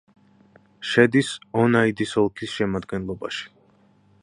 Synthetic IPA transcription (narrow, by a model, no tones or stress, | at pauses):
ʃɛd̪isɔnaid̪isɔlˠkʰisʃɛmad̪ɡɛnlˠɔba̰ʃi̥